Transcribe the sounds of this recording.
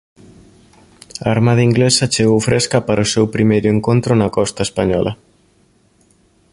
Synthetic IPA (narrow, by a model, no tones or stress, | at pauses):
aːɾmaðɐiŋɡlesɐt͡ʃeɣowfɾeskɐpaɾosewpɾimejɾʊeŋkont̪ɾʊnɐkɔst̪ɐespaɲɔlɐ̰